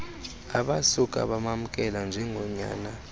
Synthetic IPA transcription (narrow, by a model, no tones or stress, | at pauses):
aɓasukʼa̰ɓamam̩kʼɛland͡ʒʱɛŋʱɔɲa̰ːna